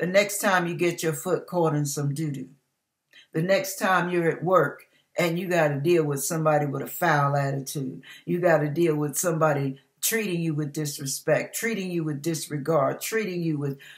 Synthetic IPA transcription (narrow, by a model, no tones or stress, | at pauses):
ðɨnɛkstʰãɪ̃mjɨɡɛt͡ʃə˞fʊt̚kʰɔɹɾɨ̃nsʌ̃mdʉɾʉ | ðɨnɛkstʰãɪ̃mjə˞ɨʔ̚wɜ˞k | ʔɨ̃njɨɡɑɾɨdilˠwɨð̥sʌ̃mbɑɾiwəðəfaɪl̩ˠæɾɨtʰʉd̥̚jɨɡɑɾɨdilˠwɪð̥sʌ̃mbɑɾi | tʰɹ̥iɾɪ̃ŋjɨwɨðdɪsɹɨspɛk̚tʰɹ̥iɾɪ̃ŋjɨwɨðdɪsɹɨɡɑɹd̥̚tʰɹ̥iɾɪ̃ŋjɨwɪð̥